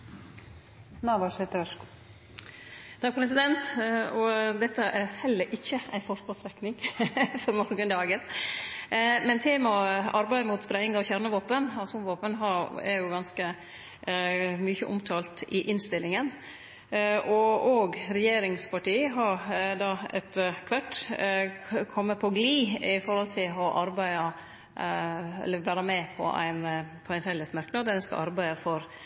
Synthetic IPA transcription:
nɑːʋɑʂheːt̪əɾʋɛʂkː | t̪ʰɑk̚pʰɾɛsɪd̪ɛnt̪ɔd̪ɛt̪ːəʔæɾhɛlːəɾʔɪçːəæɪfɔɾkɔsɾɛknɪŋfɔɾmɔɾɡənd̪ɑːɡən | mɛnt̪ʰeːmɑɔɑɾbæɪmuːt̪spɾɛɪŋɑʋçæɾɳəʋoːpənɑsʊmʋoːpənɦɑɾɛɾjʊɡɑnskə | myːçəʔʊ̰mt̪ʰɑːlt̪ɪʔɪnst̪ɪlːɪŋən | ʔɔoːɡɾɛjeːɾɪŋspʰɑʈiːəɦɑɾd̪ɑːɛ̰t̪kʰʋæʈː | kʰɔmːəpʰɔɡliːɪfɔɾhɔlt̪ʰɪlɔʔɑɾbæɪɑ | ɛ̰lːəʋæːɾəmɛpʰɔ̰ʔæ̰ɪnpʰɔæɪnfɛlətsmæɾknɑd̪ɛnskɑ̰ʔɑɾbæɪəfɔɾ

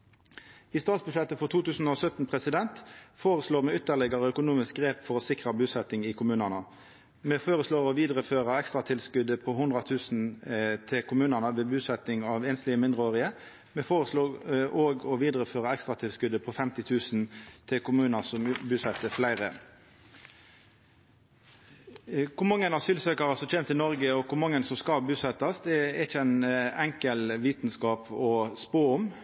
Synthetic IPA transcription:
ɪst̪ɑːt̪sbʉʃɛt̪ːəfɔʁt̪ʰuːt̪ʉːsn̩oːsœt̪n̩pʰʁɛsɪd̪ɛnt̪foːʁəsloːmɛːʏt̪ːəʁlɛɡəʁəœkʊnuːmɪsk̚ɡʁeːpfɔʁɔsɪkʁɑbʉːsɛt̪ɪŋɪkʰʊmʉːnənə | meːfoːʁəsloːɾɔʋiːd̪ʁəføːʁəɛkst̪ʁɑt̪ʰɪlskʉd̪əpʰɔɦʊnd̪ʁɑt̪ʰʉːsn̩t̪ʰɪlkʰʊmʉːnənəʋeːbʉːsɛt̪ɪŋɑʋeːnst̪lɪəmɪnd̪ʁəoːʁɪə | mɛfoːʁəsloːʔoːɡɔʋiːd̪ʁəføːʁəɛkst̪ʁɑt̪ʰɪlskʉd̪əpʰɔfɛmt̪ɪt̪ʰʉːsn̩t̪ʰɪlkʊmʉːnɑsɔmbʉːsɛt̪əflæɪʁə | kʰʊmɑŋːənɑsyːlsøːkɑʁɑsɔc͡çʰeːmt̪ʰənɔʁɡəɔkʰʊmɑŋːənsɔmskɑbʉːsɛt̪ːɑsd̪ɛæɪçəæɪnɛŋkəlʋiːt̪n̩skɑːpɔspoːʊm

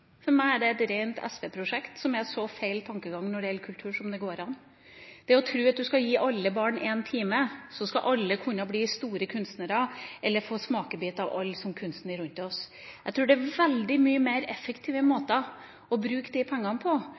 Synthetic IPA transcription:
fɔɾmæɪæɖɛɛt̪ɾeɪnt̪ʰɛ̰sʋɛpʰɾʊʂɛkt̪sɔmɛɾʂɔfeɪlt̪ʰɑŋkəɡɑŋːnɔɖɛjɛlkʰʉlt̪ʰʉːʂɔmd̪ɛɡoːɾɑn | d̪̥ɛæɔt̪ʰɾʉːɑt̪̚d̪ʉskɑjiːʔɑlːəbɑːɳeːnt̪ʰiːməsɔskɑ̰ʔɑlːəkʰʉnːɑbliːst̪uːɾəkʰʉnst̪nəɾɑɛlːəɾfoːsmɑːkəbiːt̪ɑʋɑ̰lːsɔmkʰʉnst̪n̩ɪɾʉnt̪ɔs | æt̪ʰɾʉːɖɛæɾʋɛld̪ɪmyːəmeɪɾɛfəkt̪ʰiːʋəmoːt̪ɑ | ɔbɾʉːkd̪iɪpʰɛŋːɑnpʰɔ

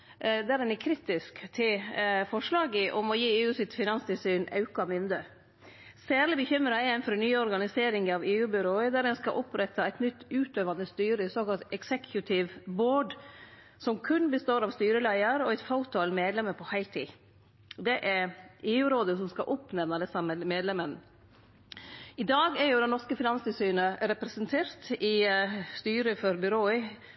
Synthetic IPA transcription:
d̪æɾdɛnɛkʰɾiːt̪ɪskt̪ʰɪlfɔʂɭɑːɡəʔɔmɔjiːeːʉːsɪt̪fɪnɑnst̪ɪlsyːnɑ̰ʉkɑmʏnd̪ə | sæːɾlɪbəçʏmɾɑɛɛnfɔɾnyːəɔɾɡɑnɪseːɾɪŋəɑʋeːʉːbɪɾoːəd̪æɾɛnskɑ̰ʔɔpɾɛt̪ʰːɑæɪt̪nʏt̪ːʉːt̪øːʋɑnəst̪yːɾəɪsoːkɑlt̪ɛksɛkʰjʉt̪ʰɪʋboːɖ | sɔmkʰʉnbəst̪oːɾɑʋst̪yːɾəlæɪəɾɔæɪt̪faʊt̪ʰɑlmeːd̪lɛməpʰɔhæɪlt̪ʰḭː | d̪ɛʔæɾeːʉːɾoːd̪əsɔmskɑ̰ʔʊpnɛʋnɑd̪ɛsɑməmeːd̪lɛmən | ɪd̪ɑːɡæɾjʊd̪ɛnɔʂkəfɪnɑnst̪ɪlsyːnəɾɛpɾəsənt̪ʰeːɾt̪ɪst̪yːɾəfɔɾbʏɾoːə

